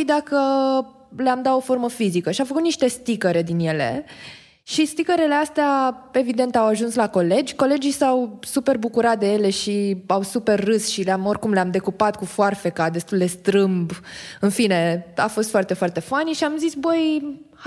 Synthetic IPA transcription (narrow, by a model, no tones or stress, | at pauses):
id̪akə | leamd̪at̪o̞fo̞rməfizikəʃiafəkut̪niʃt̪e̞st̪ikəɾe̞d̪inje̞le̞̰ | ʃist̪ikəɾele̞ast̪eae̞vid̪e̞nt̪awaʒunslako̞le̞d͡ʒʲko̞le̞d͡ʒijsawsupe̞rbukuɾat̪̚d̪e̞je̞le̞ʃiawsupe̞rːɨsʃileamo̞rkumleamd̪e̞kupat̪̚kufoarfekad̪e̞st̪uld̪e̞st̪ɾɨmbɨnfine̞a̰fo̞st̪foart̪e̞foart̪e̞faniʃiamzisbəj